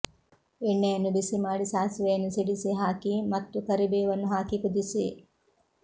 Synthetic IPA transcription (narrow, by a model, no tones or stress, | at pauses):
enːeːnubisimaːɖisaːsʋeːnusiɖisiɦaːkiːmɐt̪ːukɐɾibeːʋɐnːuɦaːkikud̪isiː